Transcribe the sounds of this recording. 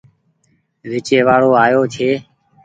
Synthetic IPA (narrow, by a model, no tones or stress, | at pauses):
ʋɪt͡ʃeːʋaːɽoːaːjoːt͡ʃʰeː